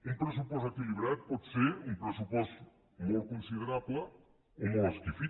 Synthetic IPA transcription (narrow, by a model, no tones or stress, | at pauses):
ũmpɾes̬upɔst̪ekiliβɾaðpɔðseɾumpɾesupɔst̪ | mowkõnsiðeɾaβlɐ | umaskifi